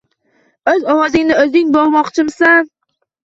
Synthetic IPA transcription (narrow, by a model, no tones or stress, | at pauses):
ɵzɒwɒzɪŋnɪɵzɪŋbɒɾmɒqt͡ʃʰɪmsan